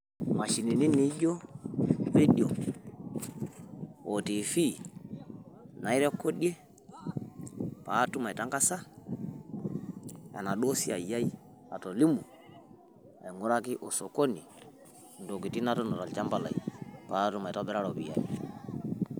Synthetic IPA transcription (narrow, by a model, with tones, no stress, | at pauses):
ma˨ʃi˨ni˨ni˦ni˨˦ɟo˦ | be˦ɗjo˨ | o˨ti˨fi˦ | na˨i˦ɾe˦ko˦ɗe˦ | pa˨˦tu˦ma˨ta˦ŋka˦sa˦ | a̰˨na˨ɗo˦si˦a̰˨ja˦i˦ | a̰˨to˨li˦mu˨ | a˨ŋu˦ɾa˦ki˦ʔo˨so˨ko˦ni˨ | n˨do˨ki˨ti˦na˦tɔ˦nɔ˨ta˨lt͡ʃa˦mba˦la̰˨i˨pa˨˦tu˦ma˨ta˦bɛ˦ɾa˦ɾo˨bḭ˨ja̰˨ḭ˨